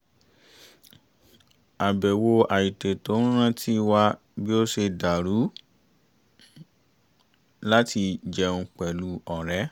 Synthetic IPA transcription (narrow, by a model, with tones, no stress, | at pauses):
a˨bɛ˨wo˧a˨ji˨te˨tõ˨˦ũ˦ɾ̃ã˦tʰi˦˧wa˧ | bi˦o˦ʃe˧da˨ɾu˨˦ | la˦ti˧d͡ʒɛ˧ũ˧k͡pɛ˨lu˨˦ɔ˨ɾɛ˨˦